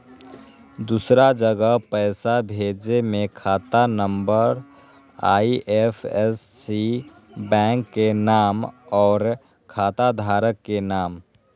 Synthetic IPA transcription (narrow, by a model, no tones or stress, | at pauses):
d̪usɾad͡ʒəɡəpəɪsabʱeːd͡ʒemẽkʰaːt̪anəmbəɾ | aːiʔepʰɛsːi | bɛ̃ːŋkːenaːmɔːɾ | kʰaːt̪ad̪ʱaːɾəkːenaːm